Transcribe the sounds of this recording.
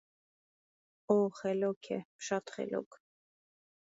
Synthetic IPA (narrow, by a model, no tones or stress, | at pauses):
ɔχɛlɔkʰɛ̰ʃɑt̪χɛ̰lɔ̰kʰ